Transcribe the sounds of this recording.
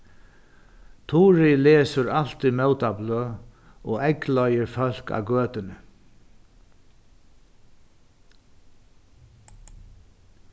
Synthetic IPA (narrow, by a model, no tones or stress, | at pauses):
t̪ʰuːɾɪleːsʏɾal̥t̪imɛwt̪abløː | ɔːɛklɔjəɹfœl̥ka̰ːɡøːt̪ɪnə